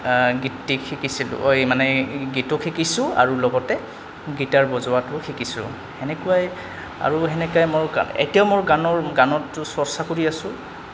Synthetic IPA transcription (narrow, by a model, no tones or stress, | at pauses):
ɡitːikʰikisilʊ̰ojmanɛɡitɔkʰikisʊ̃a̰ɹulɔɡɔtɛ | ɡitaɹbɔzʊwatʊxʰikisʊ̰̃ | hɛnɛkuaj | a̰ɹuɦɛnɛkajmoɹa̰ḛtijaʊmoɹɡanɔɹɡanɔtːʊsɔɹsakoɹiasʊ̃